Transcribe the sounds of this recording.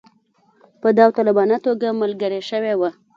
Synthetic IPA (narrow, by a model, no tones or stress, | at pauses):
pəd̪awt̪ɑlɪbɑnat̪oɡamalɡəɾeʃəwewa